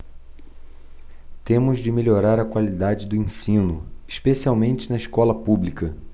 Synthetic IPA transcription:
t̪ẽmʊzd͡ʒɪmelʲoɾaɾɐkwalid̪ad͡ʒɪd̪ʊẽsĩnʊiʃpesiawmẽnt͡ʃɪnɐɪʃkɔlɐpublikɐ

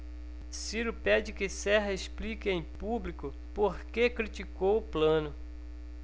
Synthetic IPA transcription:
siɾʊpɛd͡ʒɪkɪsɛɦɐesplikɪẽj̃publikʊ | poɾkekɾit͡ʃikowʊplɐ̃nʊ

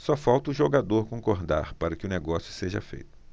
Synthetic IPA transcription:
sɔfawt̪ɐʊʒoɡad̪oɾkõŋkoɾd̪a̰ɾpaɾɐkɪʊneɡɔsjʊseʒɐ̰fḛjt̪ʊ̥

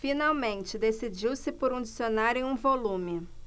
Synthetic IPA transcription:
finawmẽnt͡ʃɪd̪esid͡ʒiwsɪpoɾũd͡ʒisionaɾẽũvolũmɪ

